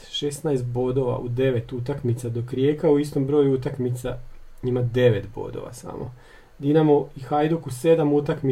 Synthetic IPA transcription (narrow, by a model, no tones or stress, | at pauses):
ʃesnajst̪̚bo̞d̪oʋa̰ʔud̪e̞ʋe̞t̪ut̪akmit̪sad̪o̞kɾjekauist̪ombɾo̞ːjuut̪akmit̪saɲimad̪e̞ʋe̞t̪bo̞̰d̪o̰ʋa̰sa̰mʔo̰ | d̪inamoixajd̪ukuse̞d̪amut̪akmi